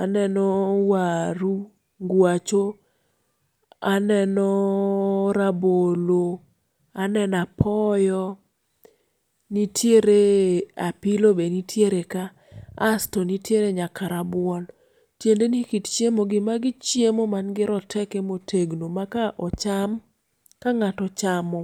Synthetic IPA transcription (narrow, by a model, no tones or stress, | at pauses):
anɛnɔwaɾu | ŋɡwat͡ʃo | anɛnɔ | ɾabolo | anɛnapʰɔjɔ | nitʰjeɾeapilobenitʰjeɾekaː | stɔnitjeɾeɲakaɾabwɔn | tjendenikitt͡ʃjemoɡɪmaɡɪt͡ʃjemomanɡɪɾɔtʰɛkemotʰeɡnomakaʔɔt͡ʃam | kaŋatɔt͡ʃamɔ